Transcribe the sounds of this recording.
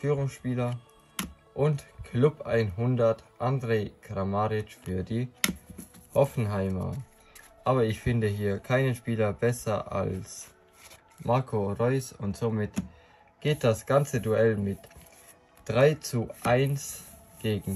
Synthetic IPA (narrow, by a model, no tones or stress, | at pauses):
fyːʁ̞ʊŋsʃpiːlɐ | ʔʊntkʰlʊpʔa̰ɪnɦʊndɐtʔandʁeːkʁamaʁɪt͡ʃfyːɐdiː | hɔfn̩ɦaɪmɐ̰ | ʔaːbɐɪçfɪndəɦiːɐkʰaɪnənʃpiːlɐbɛsɐ̰ʔa̰ls | mʔaɐkʰoʁɔʏsʊntz̥oːmɪt | ɡ̥eːt̚d̥asɡ̥ant͡səduɛlmɪt | d̥ʁaɪt͡suʔaɪns | ɡ̥eːɡŋ̩